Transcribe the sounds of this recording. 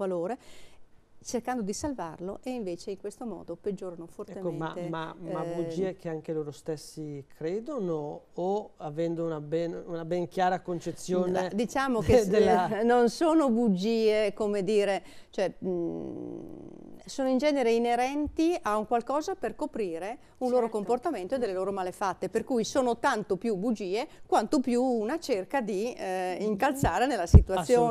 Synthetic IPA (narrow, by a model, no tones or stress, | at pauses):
valoːɾe | t͡ʃerkand̪od̪isalvarloʔeiɱveːt͡ʃeiŋkwest̪omɔ̰ːd̪oped͡ʒːoːɾanofortɛemkːoẽma̰ema̰mabud͡ʒiːekeaŋkeloːɾost̪esːikɾeːd̪onoː | avɛnd̪ounabɛnunabeŋkjaːɾakont͡ʃet̪sːjoːned̪it͡ʃaːmoked̪elːnonsoːnobud͡ʒiːekomed̪iːɾet͡ʃoɛ | soːnoind͡ʒɛːneɾeineɾɛnt̪iauŋkwalkɔːzaperkopɾiːɾe | unloːɾokomport̪ament̪oed̪elːeloːɾomalefat̪ːeperkuːjsoːnot̪ant̪opjubud͡ʒiːekwant̪opjuunat͡ʃerkad̪iiŋkalt̪saːɾenelːasit̪uat̪sːjjoː